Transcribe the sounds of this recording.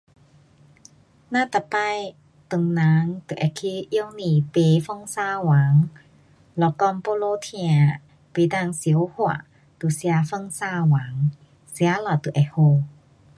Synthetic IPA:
naː˧˥˨t̪a˧˨pa˧˨j | t̪o˨ŋnaː˨˦ŋt̪u˨˧˨ʔɛ˨kʰi˧ʔi˧ə˧wni˧˩pe˧˦fɔ˥˨ŋsaː˧˨waː˨˦ŋ | lɔ˧kɔ˧˨mpo˧lo˧˨t̪ʰi˧a˧ | pi˧˨da˧˩˨ŋsi˨ə˦whu˧a̰˨ | t̪u˨si˧a˧fɯ˥˧˨ŋsaː˧˩waː˨˦ŋ | si˧a˧˦lɔ˧˩t̪u˨ʔɛ˨ho˧

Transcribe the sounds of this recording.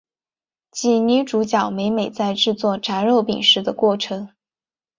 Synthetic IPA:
t͡ɕi˧˥˩ny˧˥ʈ͡ʂu˧˥t͡ɕjɑ˨˩ʊme˧˥ɪme˨˩ɪt͡sa˥˧ɪʈ͡ʂɻ̩˥˧t͡swɔ˥˩ʈ͡ʂa˧˥nɻo˥˩ʊpḭ˨˩ŋʂɻ̩˥d̪ə˧kwɔ˥˩ʈ͡ʂʰɤ˧˥ŋ

